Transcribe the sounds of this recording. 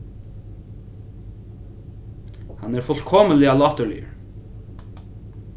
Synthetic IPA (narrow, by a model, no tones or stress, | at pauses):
hɑnæːɾfɔlkʰɔməlɪɑːlɑːt̪əɭʏ̰